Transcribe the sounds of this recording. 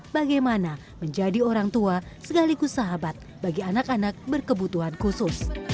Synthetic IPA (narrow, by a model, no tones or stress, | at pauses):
baɡajmana | məɲd͡ʒadioɾaŋt̪uasəkalikusaɦabat̪̚baɡianakanak̚bərkəbut̪uɦankusʊs